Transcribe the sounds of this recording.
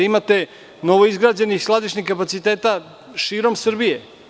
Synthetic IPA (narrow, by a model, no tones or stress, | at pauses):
imat̪e̞ | no̞ʋoizɡɾaːd͡ʑe̞nixslˠad̪iʃɲixkapat̪sit̪eːt̪a | ʃiːɾo̞msr̩bije